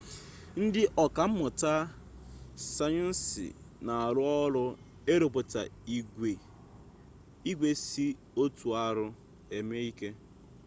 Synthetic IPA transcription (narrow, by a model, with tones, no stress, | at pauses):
n̩˦dɪ˦ʔɔ˨ka˨m̩˦mʊ˨ta˦ | sa˦ɲʊ˦n̩˦sɪ̰˨ | na˨a˨ɾʊ˦ɔ˦lʊ˦ | e˦ɾo˨p̬o˨ta̰˨i˨ɡʷe˨ | i˦ɡʷe˨si˦ | o˦tu˨a˦ɾʊ˦ | e˨me˦i˦ke˦